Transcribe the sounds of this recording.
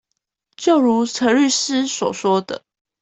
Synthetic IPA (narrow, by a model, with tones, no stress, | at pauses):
t͡ɕjo˥˨ʊɻu˨˧˦t͡sʰə˧˥ly˥˨s̩˦swɔ̰˨˩swɔ˥d̪ə̰˨